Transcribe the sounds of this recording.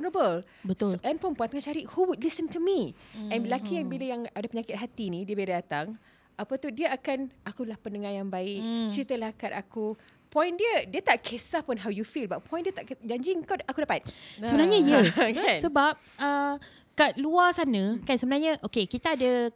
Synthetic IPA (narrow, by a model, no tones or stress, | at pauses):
nəbəl | bət̪ʊlɛnpɔnpɔjnt̪əŋat͡ʃaɾiʔhuwudlisəntumiɛ̃nlakijaŋbiləjaŋadapəɲakɪt̪̚ɦat̪inĩdiəbedadat̪aŋ | ʔapat̪udiəakanʔakulahpəndəŋajaŋbaɪk̚t͡ʃəɾit̪əlahkat̪akupɔ̃jndiədiət̪aʔkʰesahpʊnɦawjufilbat̪̚pʰɔ̃j̃ndiət̪aʔd͡ʒaɲd͡ʒiŋkaakudaʔpaɪt̪̚səbənaɲaijəkasəbap̚ə | kaʔluasanãkansəbənaɲaʔokekit̪aːda